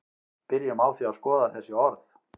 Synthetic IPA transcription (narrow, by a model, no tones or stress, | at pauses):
pɪɾjɪmaːwθiaðskɔːðaθɛsːɪɔɾθ